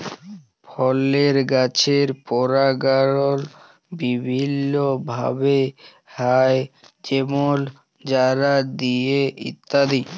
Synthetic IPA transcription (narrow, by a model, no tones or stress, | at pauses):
pʰɔleɾɡat͡ɕʰeɾpɔɾaɡaɾol | bibʱinːobʱa̰be | hae | d͡ʑemol | d͡ʑaɾad̪ijeḭt̪ːad̪i